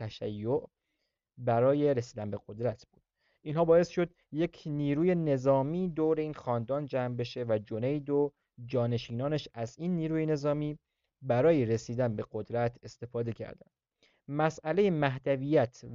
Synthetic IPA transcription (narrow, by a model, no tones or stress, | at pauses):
æʃæjːoʔ | bæɾɒːje̞ɾesiːd̪ænbe̞ɡod̪ɾæt̪ʰb̥uːd̪̥ | ʔiːnɦɒːbɒːe̞stʃo̞d̪ | je̞cʰniːɾuːje̞ne̞zɒːmiːd̪oːɾe̞iːnxɒːnd̪ɒːnd͡ʒæmbe̞ʃe̞væd͡ʒo̞ne̞jd̪o | d͡ʒɒːne̞ʃiːnɒːneʃæziːnːiːɾuːjene̞zɒːmiː | bæɾɒːjeɾesiːd̪ænbe̞ɡod̪ɾæt̪ʰe̞st̪e̞fɒːd̪e̞cʰæ̰ɾd̪æ̰nd̪̥ | mæsæle̞jemæɦd̪æviːjæt̪ʰ